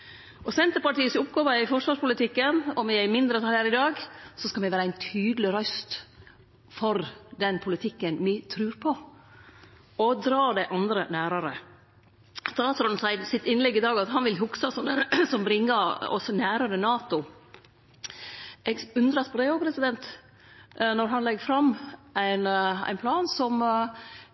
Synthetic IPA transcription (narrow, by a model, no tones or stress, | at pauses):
ʔɔsɛnt̪əɾpɑʈiːəsʊpɡɑːʋəɪfɔʂʋɑːʂpʊlɪt̪ɪkːənɔmɪæɪmɪnd̪ɾət̪ʰɑlhæːɾɪd̪ɑːɡsɔskɑmɛʋæːɾəæɪnt̪ʰyːd̪l̩ɪɾœst̪ | fɔɾd̪ɛnpʰʊlɪt̪ʰɪkːənmɪt̪ʰɾʉːɾpʰɔ | ɔd̪ɾɑːɖɛʔɑnd̪ɾənæːɾəɾə | st̪ɑːt̪sɾɔnsæɪsɪt̪ɪnlɛɡːɪd̪ɑːɡɑt̪ɦɑnʋɪlɦʊksɑsɔnəsɔmbɾɪŋːəɔ̰sɔnæːɾəɾənɑːt̪ʊ | ɛɡʉnd̪ɾɑspɔɾd̪ɛoːpʰɾɛsɪd̪ɛnt̪ | nɔɾɦɑnlɛɡfɾɑmːʔæɪnæ̰ɪnpʰlɑːnsɔm